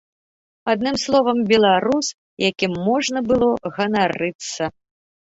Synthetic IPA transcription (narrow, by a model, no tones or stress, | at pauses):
ad̪nɨmslˠɔvɐmbʲɛlˠaɾus | jakʲimːɔʐnɐbɨlˠɔɣɐnaɾɨt̪sːɐ